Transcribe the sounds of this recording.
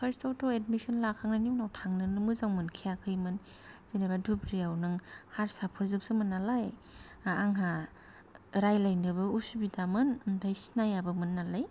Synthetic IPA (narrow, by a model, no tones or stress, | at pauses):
pʰeɾstawtɔedmisɔnlakʰaŋnaniwnawtʰaŋnɯnɯmɯzaŋmɯnkʰijakʰɯjmɯn | z̥inabadubɾiawnɯŋhaɾsapʰɯɾzɯp̚sɯmɯnːalajː | ŋɦa | ɾajlajnɯbɯusubidamɯnntʰajsi̥najabɯmɯnːalaj